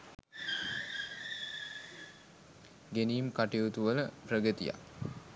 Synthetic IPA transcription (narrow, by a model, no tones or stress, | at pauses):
ɡeniːmkaʈiut̪uʋələprəɡət̪ḭja̰